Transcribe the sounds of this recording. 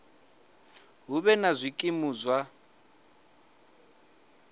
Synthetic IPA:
ɦuβɛnazʷikʼimuːzwa

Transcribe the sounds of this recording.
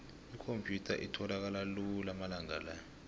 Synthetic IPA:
ikʰompʰʼjutʰa̰ʔitʰɔlak̬alalulamalaŋalajɔ

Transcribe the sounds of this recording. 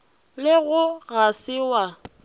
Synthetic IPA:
lɪɣʊɣasɪwa

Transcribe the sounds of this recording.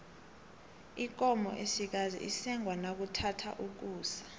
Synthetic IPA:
ik̬ɔmɔ̰ʔesik̬azḭʔisɛŋwanak̬utʰatʰa̰ʔuk̬uːsḁ

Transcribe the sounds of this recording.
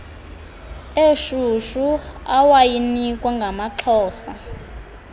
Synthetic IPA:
eʃuʃuawajinikʼwɛŋɡʱamaǁʰɔːsa̰

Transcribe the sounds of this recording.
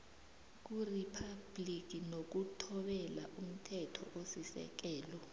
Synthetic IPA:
k̬uripʰab̥lik̬ʼinok̬utʰɔɓɛla̰ʔum̩tʰɛtʰɔ̰ʔosisɛ̰k̬ɛːlɔ

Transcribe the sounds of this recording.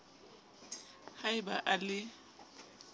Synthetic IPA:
haɪba̰ʔalɪ

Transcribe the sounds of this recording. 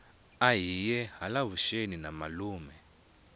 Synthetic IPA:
ajijɛɦalavuʃeninamaluːmɛ

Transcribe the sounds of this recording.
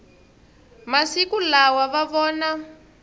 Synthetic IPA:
masikulawaβaβɔːna

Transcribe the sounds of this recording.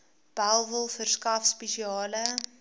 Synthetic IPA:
b̥ælˠvəlˠfərskɐfspeʃiɑːlə

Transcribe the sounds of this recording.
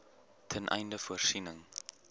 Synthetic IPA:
tʰɛnʔɛ̰jndəfuərsinəŋ

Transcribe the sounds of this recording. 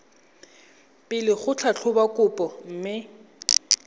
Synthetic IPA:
pʼɪlɪχʊt͡ɬʰat͡ɬʰʊbakʼʊpʼɔm̩ːmɪ

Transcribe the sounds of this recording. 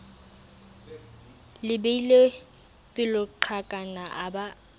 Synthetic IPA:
lɪbeile | pʼɪlʊǃʰakʼanaʔaba

